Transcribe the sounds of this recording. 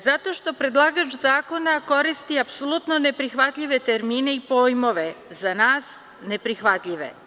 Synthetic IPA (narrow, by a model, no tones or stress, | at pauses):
zat̪o̞ʃt̪o̞pɾe̞d̪lˠaɡat͡ʃzaːko̞nako̞ɾist̪iapsolut̪no̞ne̞pɾixʋat̪ʎʲiʋe̞t̪e̞ɾmiːne̞ipo̞jmo̞ʋe̞zanaːs | ne̞pɾixʋat̪ʎʲiʋḛ